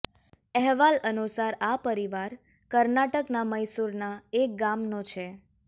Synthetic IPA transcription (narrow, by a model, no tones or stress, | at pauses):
ɛɦʋalənusaɾapəɾiʋaɾ | kəɾnaʈəknaməjsuɾnaek̚ɡamnõt͡ʃʰe